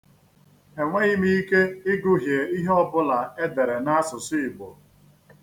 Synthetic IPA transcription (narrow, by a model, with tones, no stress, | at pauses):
e˨ŋʷe˦ɣɪ˦mi˦i˦ke˦ɪ˦ɡʊ˦ɦje˨i˦ɦe˦ɔ˦bʊ˦la˨e˦de˨ɾe˨na˦a˦sʊ˨sɪ˦ɪ˨bʊ˨